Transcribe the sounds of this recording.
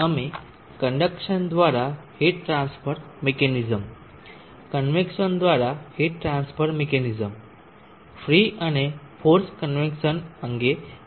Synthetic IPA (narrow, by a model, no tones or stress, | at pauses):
əmi | kəɳɖəkʂənd̪ʋaɾaheʈɾãnsfəɾmekenid͡zəm | kənʋekɕənd̪ʋaɾaheʈɾãnsfəɾmekenid͡zəm | fɾiʔañe | foɾskənʋekɕənəŋɡe